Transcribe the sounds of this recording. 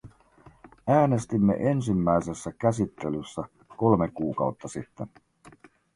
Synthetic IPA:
æːne̞st̪imːe̞̰ʔe̞ns̬imːæjse̞sːækæs̬it̪ːe̞lysːæ | ko̞lmekuːkɑ̰wt̪ːɑsit̪ːen

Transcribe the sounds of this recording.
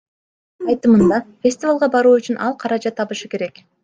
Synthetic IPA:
ɑjt̪ɯmɯnd̪ɑfʲesʲt̪ʲɪvalˠʁɑbɑɾuːyt͡ʃynʔɑ̰lˠqʰɑɾɑd͡ʒɑt̪ʰːɑβɯʃɯke̞ɾe̞k

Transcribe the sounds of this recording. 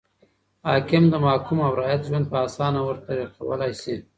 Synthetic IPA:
hɑkɪmd̪əmɑːkumawɾɑjat̪ʒwand̪̚pəɑsɑnawəɾt̪aɾiqa̰wə̰lajsi

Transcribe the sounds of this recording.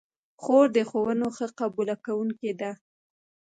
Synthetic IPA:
xoɾd̪əxowənoxəqabulakawuŋked̪a

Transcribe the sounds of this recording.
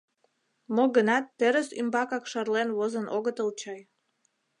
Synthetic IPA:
moɡənɑt̪ːeɾəsy̰mbɑkɑkʃɑrlenβozənʔoɣət̪əlˠt͡ɕɑj

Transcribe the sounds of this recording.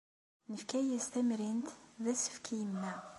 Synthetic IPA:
nəfkæjæst̪æmɾint̪ðæsə̥fkʰijəmːæ

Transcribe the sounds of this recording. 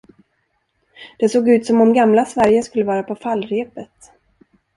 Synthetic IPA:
d̪̥ɛsoːɡʉ̟ːt̪sɔmɔmɡamlasvæɾjəskɵlːəvɑːɾapʰɔfalːɾeːpət̪

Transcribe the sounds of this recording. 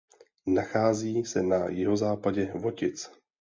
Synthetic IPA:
naxaːziːsɛnajɪɦo̞zaːpaɟɛvo̞cɪt͡s

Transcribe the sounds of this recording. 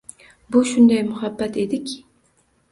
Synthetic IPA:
bʊʃʊnd̪ajmʊhabːat̪e̞d̪ɪkʲʰɪ

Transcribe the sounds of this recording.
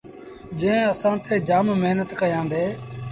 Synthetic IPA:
d͡ʒẽːəsãːt̪ʰeːd͡ʒaːmməɦnət̪kəjãːnd̪eː

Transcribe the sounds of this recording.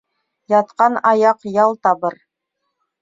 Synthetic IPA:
jɑt̪qɑnɑjɑqjɑlˠt̪ɑbɤɾ

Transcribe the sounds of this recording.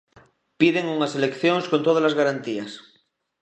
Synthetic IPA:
piðeŋuŋaselekθjoŋskont̪oð̞alazɣaɾant̪ias

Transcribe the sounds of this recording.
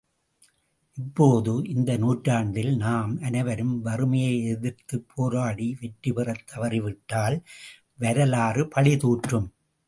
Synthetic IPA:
ʔɪpːoːðɯʔɪnd̪ɐnuːʈɾaːɳd̪ɪlnaːmɐnɐɪʋɐɾɯmʋɐrɯmɐjɐɪɛðɪɾt̪ɯpʰːoːɾaːɽiʋɛʈrɯpɪrɐt̪ːɐʋɐɾɪʋɪʈːaːl | ʋɐɾɐlaːrɯpɐɭɪt̪uːʈrɯm

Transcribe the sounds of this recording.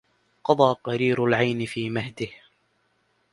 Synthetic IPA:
qɑd̪ˤɑːqɑɾiːɾalʕajnɪfiːmahd̪ɪh

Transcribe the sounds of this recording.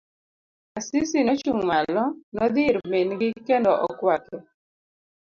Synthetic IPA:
asɪsinɔt͡ʃuŋmalɔnɔd̪ɪɾmenɡɪkɛndɔʔɔkwakɛ

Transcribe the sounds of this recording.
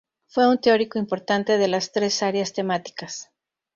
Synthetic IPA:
fwe̞unt̪eo̞ɾiko̞impo̞ɾt̪ant̪e̞ðe̞last̪ɾe̞saɾjast̪e̞mat̪i̥kas

